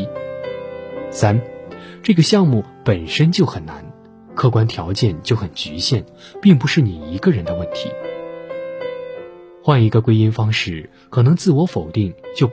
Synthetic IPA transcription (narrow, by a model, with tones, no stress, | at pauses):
sa˥nʈ͡ʂɤ˥˩ɡə˩ɕjɑ˥˧ŋmu˥˩pə˨˩nʂə˥nt͡ɕjo˥˩ʊxə˨˩nna̰˧˥n | kʰɤ˥˧kwa˥nt̪ʰjɑ˧˥ʊt͡ɕjɛ˥˧nt͡ɕjo˥˩ʊxə˨˩nt͡ɕy˧˥ɕjɛ˥˩n | pi˥˩ŋp̬u˧˥ʂɻ̩˥˩ni˨˩i˧˥ɡə˥˧ɻə˧˥nd̪ə˧wə˥˩nt̪ʰḭ˧˥ | xwa˥˩ni˧˥ɡə˧kwe˥ɪi˥nfɑ˥ŋʂɻ̩˥˩ | kʰɤ˨˩nɤ˧˥ŋt͡sɹ̩˥˩wɔ˧˥fo˨˩ʊt̪i˥˩ŋt͡ɕjo˥˩ʊ